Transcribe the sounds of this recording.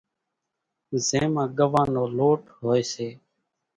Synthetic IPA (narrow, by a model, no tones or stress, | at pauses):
zẽːmãːɡəʋãːnoːloːʈɦoːeːseː